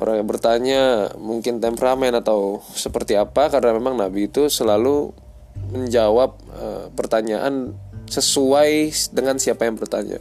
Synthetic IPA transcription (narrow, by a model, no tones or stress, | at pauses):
ɾabərt̪aɲamuŋkɪnt̪ampɾamanat̪awsəpərt̪iapakaɾənamemaŋnabiːt̪usəlalu | məɲd͡ʒawap̚ə̰ːərt̪aɲaʔa̰nsəsuajdəŋansiapajaŋbərt̪aɲa̰